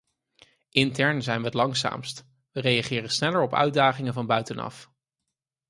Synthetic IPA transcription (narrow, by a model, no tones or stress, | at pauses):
ʔɪntɛɹnzɛjnʋəətlɑŋsa̰ːmst | ʋərejɑχɪːrənsnɛləɹɔpœ̰ɥdaːχɪŋəvɑnbœɥtənɑ̰f